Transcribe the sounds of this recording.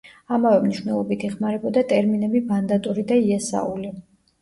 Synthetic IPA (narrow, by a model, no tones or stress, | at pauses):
amavɛmniʃwnɛlˠɔbit̪ʰiχmaɾɛbɔd̪at̪ʼɛɾminɛbimand̪at̪ʼuɾid̪aiɛsa̰uli